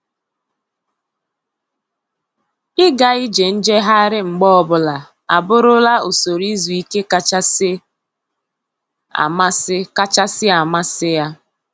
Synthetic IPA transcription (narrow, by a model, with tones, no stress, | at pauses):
ɪ˦ɡa˨i˦d͡ʒe˨n̩˦d͡ʒe˦ɦa˦ɾɪ˦ŋ͡m̩˨ɡ͡bɔ˦ɔ˨bʊ˦la˨ | a˨bʊ˦ɾʊ˦la˦o˨so˨ɾi˦zu˨i˦ke˦ka˦t͡ʃa˦sɪ˦ | a̰˨ma˦sɪ˦ka˦t͡ʃa˦sɪ˦a˨ma˦sɪ˦ja˦